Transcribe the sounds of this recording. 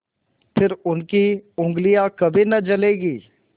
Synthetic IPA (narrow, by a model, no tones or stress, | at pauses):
pʰɪɾʊnkiʊ̃ŋɡlijakɐbʱinɐt͡ʃɐleːɡiː